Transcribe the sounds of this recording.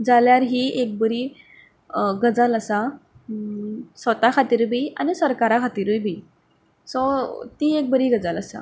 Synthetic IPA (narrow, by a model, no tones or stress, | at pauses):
d͡zaljaɾɦiek̚bəɾi | ɡəd͡zaləsa | sʋət̪akʰat̪iːɾbiːa̰nisəɾkaɾakʰat̪iɾbibi | sɔt̪iek̚bəɾiːɡəd͡zaləsa̰